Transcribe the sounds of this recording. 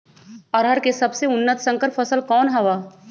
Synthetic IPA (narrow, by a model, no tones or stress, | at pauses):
ɔːɾɦɐɾkesɐbseʊnːət̪sɐ̃ŋkəɾpfʰɐsəlkɔːnɦɐʋaː